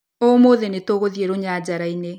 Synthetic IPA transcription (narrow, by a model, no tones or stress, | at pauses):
omoðenetoɣoðieɾoɲad͡ʑaɾaine